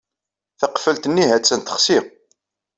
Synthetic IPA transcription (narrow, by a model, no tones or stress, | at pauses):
θəqfəlt̪ənːiɦæt͡sːənt̪ə̥χsi